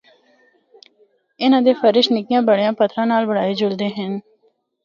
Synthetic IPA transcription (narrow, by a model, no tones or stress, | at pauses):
ɪnãːd̪eːfʰəɾɪʃnɪkijãːbəɽejãːpət̪ʰɾãːnaːlbəɽaːeːd͡ʒʊɽd̪eːɦən